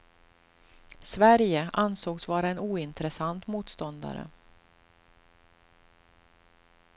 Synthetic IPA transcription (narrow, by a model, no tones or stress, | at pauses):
svæɾjəʔansoːɡsvɑːɾaɛnuːɪnt̪ɾɛsant̪muːt̪st̪ɔnd̪a̰ɾə̰